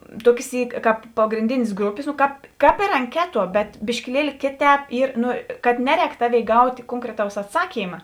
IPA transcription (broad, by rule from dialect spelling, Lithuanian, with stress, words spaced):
ˈtuɔkʲeːs ˈiː ˈkɑːp pɐɡrʲɪnʲˈdʲɪnʲeːs ˈɡrʊpʲeːs noː ˈkɑːp ˈkɑːp ɪr ɐŋʲˈkʲæːˌtuɔ bʲɛt bʲɪʃʲkʲɪˈlʲiɛlʲɪ ˈkʲeːˌtʲɛːp ˈiːr ˈnʊ kɐt ˈnʲæːˌrʲɛːk ˈtɑːˌʋʲeːɪ ˈɡɐʊtʲ ˈkoːŋkrʲɛˌtɐʊs ɐtˈsɑːkʲiːmɐ